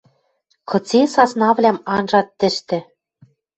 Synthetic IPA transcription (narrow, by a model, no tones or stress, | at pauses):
kɤ̆t͡sesɑsnɑβlʲæmɑnʒɑt̪ːɘ̆ʃt̪ɘ̆